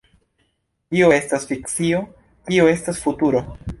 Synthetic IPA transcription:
tioe̞stasfikt͡sio̞ | tio̞e̞stasfutuɾo̞

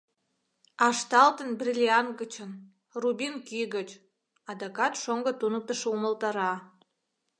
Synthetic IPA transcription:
ɑʃt̪ɑlt̪ənbrʲilʲiɑnɡət͡ɕən | rubʲinkiɡət͡ɕ | ɑd̪ɑkɑt̪ʃoŋɡət̪unək̚t̪əʃeuməlt̪ɑɾɑ

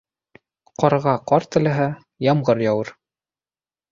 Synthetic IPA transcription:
qɑɾʁɑqɒɾt̪ɘ̆læɦæ | jɑmʁɤɾjɑwɤɾ

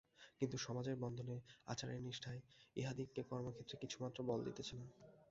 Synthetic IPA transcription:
kint̪uʃɔmad͡ʑeɾbɔnd̪ʱonea̰t͡ɕʰaɾeɾniʃʈʰaeiɦad̪ikːekɔɾmokʰet̪ːɾekit͡ɕʰumat̪ːɾobɔld̪ḭt̪et͡ɕʰena

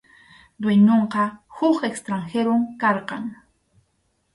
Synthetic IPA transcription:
d̪weɲoɴqɑhʊkekst̪ɾaŋxeɾomkɑɾqɑŋ

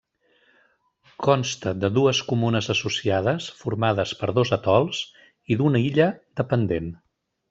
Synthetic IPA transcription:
kʰɔnst̪əd̪əðuəskumunəzəsusiað̞əsfuɾmað̞əspəɾðozət̪ɔlˠs | iðunəiʎəd̪əpənd̪en

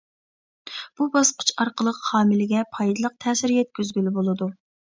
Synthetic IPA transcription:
b̥ubɑsqʰə̥t͡ʃʰɑɾqəlˠəqhɑːmɪlɪɡʲɛpʰɑjd̪ɨlˠəq̚t̪ʰɛːsɪɾjɛt̪̚kʲyzɡʲylɪbolˠɨd̪u

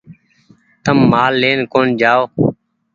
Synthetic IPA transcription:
t̪əmːaːlːeːnkoːnd͡ʒaːoː

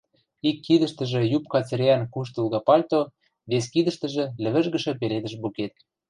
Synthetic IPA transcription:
ikːid̪ə̆ʃt̪ə̆ʒĕjupkɑt͡seɾʲɑnkuʃ̬t̪ulɣɑpɑlʲt̪o | βes̬kid̪ə̆ʃt̪ə̆ʒĕlɘ̆βə̆ʒɣə̆ʃɤ̆peled̪ə̆ʃbuket̪̚

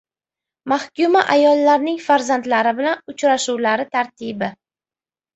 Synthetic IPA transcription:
mahkʲʊmaʔajɒlˠːaɾnɪŋfaɾzand̪laɾɪbɪlanʊt͡ʃɾaʃuwlaɾɪt̪ʰaɾt̪ʰibɪ

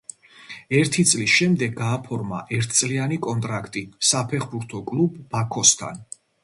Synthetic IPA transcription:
ɛɾt̪ʰit̪sʼlisʃɛmd̪ɛɡɡaːpʰɔɾma̰ʔɛɾt̪ʰt̪sʼlianikʼɔnt̪ʼɾakʰt̪ʼisapʰɛχbuɾt̪ʰɔkʼlubːakʰɔst̪ʰa̰n

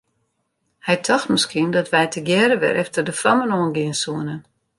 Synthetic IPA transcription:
hɛjtʰɔxtməskiəndɔtʋɛjtʰəɡjɛːɾəʋɛ̰ɾʔɛftərdəfrɔmənoənɡɪənsuənə

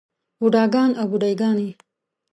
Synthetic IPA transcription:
buɖɑːɡɑːnawbuɖajɡɑːni

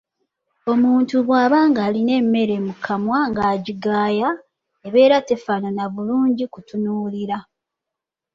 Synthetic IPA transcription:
o̞muːntuβwaːβaːŋɡaːline̞mːe̞ɾe̞mukʰamwaŋɡaːɟiɡaːja | eβe̞ːɾate̞fananaβuluːɲɟikutunuːliɾa

